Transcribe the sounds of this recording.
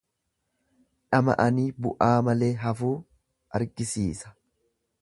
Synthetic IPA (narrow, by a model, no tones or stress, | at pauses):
ᶑɐmɐ̰ʔɐniːbʊʔaːmɐle̞ːɦɐfuː | ɐɾɡɪsiːsɐ̥